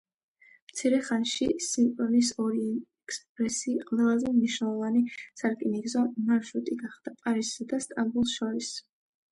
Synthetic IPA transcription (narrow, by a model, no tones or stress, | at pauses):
mt̪sʰiɾɛχanʃisimpʼɔnisɔɾiɛkspʼɾɛsiːqʼvɛlˠazɛmniʃnɛlˠɔvanisaɾkʼiniɡzɔmaɾʃɾut̪ʼiɡaχd̪̥apʼaɾisːad̪ast̪ʼambulˠsʃɔɾis